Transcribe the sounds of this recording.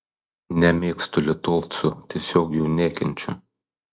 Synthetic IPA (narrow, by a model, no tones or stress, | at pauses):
nʲɛmʲeːkst̪ʊlʲɪt̪oʋt̪sʊt̪ʲiɛsʲoːkjuːnʲeːkʲɛnʲt͡ʃʲʊ̰